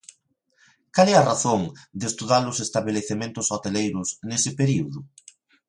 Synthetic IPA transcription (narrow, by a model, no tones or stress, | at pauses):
kalɛaraθoŋd̪est̪uðalʊsest̪aβeleθemẽnt̪ʊsot̪elejɾʊsnesɪpeɾiuðʊ